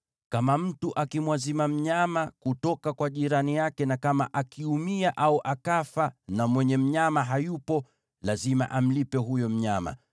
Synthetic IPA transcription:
kamam̩tuʔakimwazimam̩ɲamakutɔkakwaʄiɾanijakɛnakama̰ʔakʰiumiaʔauʔakafanamwɛɲɛm̩ɲamaɦajupɔ | lazima̰ʔam̩lipɛɦujɔm̩ɲama̰

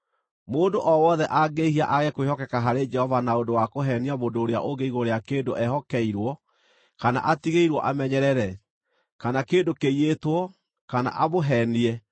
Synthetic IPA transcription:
moːndoʔɔwɔðɛʔaɡeihiaʔaɣɛkwehɔkɛkaɦaɾed͡ʒɛhɔvanaondowakoɦɛniaβodoːɾea̰ʔoɡeiɣoɾeakeːndoʔɛɦɔkɛiɾwɔ | kana̰ʔatiɣeiɾwɔʔamɛɲɛɾɛɾɛ | kanakeːndokeietwɔ | kana̰ʔaβoɦɛniɛ

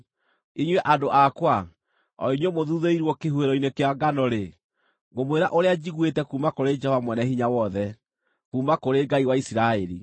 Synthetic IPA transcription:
iɲwɛʔadoʔakwa | ɔ̰iɲɔmoðuðeiɾwɔkeɦueɾɔinekeaɡanɔɾe | ɡomweɾaʔoɾead͡ʑiɣwetɛkuːmakoɾed͡ʒɛhɔvamwɛnɛhiɲawɔðɛ | kuːmakoɾeɡaiwaisiɾaɛɾi

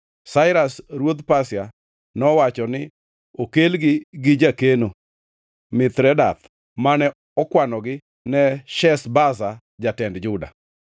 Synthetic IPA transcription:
saɪɾasɾwod̪pasja | nɔwat͡ʃɔnɪ | okelɡɪɡɪd͡ʒakeno | mɪt̪ɾɛdat̪ | manɛ | ɔkwanɔɡɪ | nɛʃɛsbas̬a | d͡ʒatɛndd͡ʒʊda̰

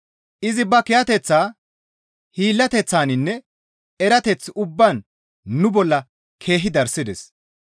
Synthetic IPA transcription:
ʔɪzɪbɐkɪjɐt̪ɛt͡sːaː | hiːlːɐt̪ɛt͡sːaːnɪnːɛ | ɛɾɐt̪ɛt͡sːʊbːan | nʊbɔlːɐ | kʰe̞ːɦɪd̪ɐɾsɪd̪ɛs

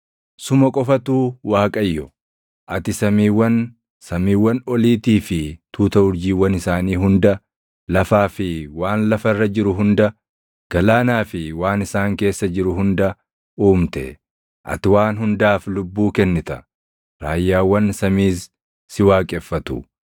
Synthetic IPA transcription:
sʊmɐkʼɔfɐt̪uːwaːkʼɐjːɔ | ʔɐt̪ɪsɐmiːwːɐn | sɐmiːwːɐnɔliːt̪iːfɪt̪uːt̪ɐʊɾd͡ʒiːwːɐnɪsaːniːɦʊnd̪ɐ | lɐfaːfɪwaːnlɐfɐrːɐd͡ʒɪɾʊɦʊnd̪ɐ | ɡ̥ɐlaːnaːfɪwaːnɪsaːŋke̞ːsːɐd͡ʒɪɾʊɦʊnd̪ɐ | uːmt̪ɛ̰ | ʔɐ̰t̪ɪwaːnɦʊnd̪aːflʊbːuːkɛnːɪt̪ɐ | ɾaːjːaːwːɐnsɐmiːsː | ɪwaːkʼɛfːɐt̪ṵ

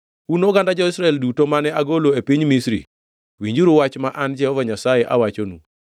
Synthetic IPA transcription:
unoɡandad͡ʒɔɪsɾaɛldutomanɛaɡoloepiɲmisɾḭ | wiɲd͡ʒuɾuwat͡ʃmaʔand͡ʒɛhɔvaɲasajɛʔa̰wat͡ʃonṵ

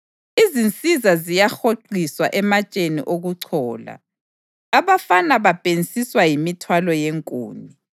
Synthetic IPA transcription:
izint͡sʼizazijaxoǃiswa̰ʔɛmat͡ʃʼenḭʔoɣuǀʰɔːla̰ː | βafanaβab̥ʱenisiswajimitʰwalɔjeŋkʼṵːni

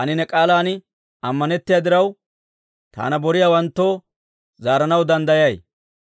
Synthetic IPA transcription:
ɐnɪnɛkʼaːlaːnɪ | ɐmːɐnɛt̪ːɪjaːd̪ɪɾɐw | t̪a̰ːnɐbɔɾɪjaːwɐnt̪ːo̞ː | zaːɾɐnɐwd̪ɐnd̪ɐjɐj

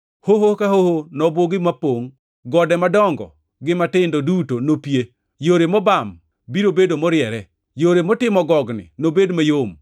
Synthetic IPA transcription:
hoɦokaɦohonɔboɡɪmapoŋ | ɡɔdɛmadɔŋɡɔ̰ | ɡɪmatɪndodutonopje | joɾemɔbam | biɾobedomɔɾɪjɛɾɛ | joɾemɔtɪmɔɡɔɡnɪ̰nobedmajom

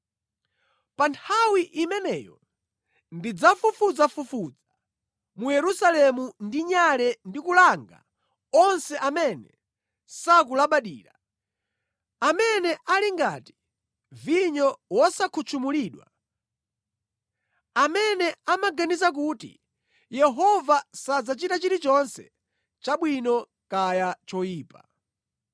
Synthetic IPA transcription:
pantʰawiʔimɛnɛjɔ | ndid͡zafufud͡zafufud͡za | mujɛɾusalɛmundiɲalɛndikulaŋɡa̰ | ɔnsɛʔamɛnɛ̰ | sakulaɓaɗḭːɾa | amɛnɛʔaliŋɡati̥ | viɲɔwɔsakʰut͡ʃʰumuliːɗwa̰ | amɛnɛamaɡanizak̬utḭ | jɛɦɔvasad͡zat͡ʃitat͡ʃiɾit͡ʃɔnsɛ̰ | t͡ʃaɓwinɔ | kajat͡ʃɔjiːpa

